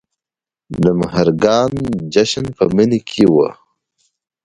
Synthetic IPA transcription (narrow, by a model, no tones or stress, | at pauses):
nəmɦɐɾɡaːnd͡ʒɐɕɐnpɐminikʰiwɐ̰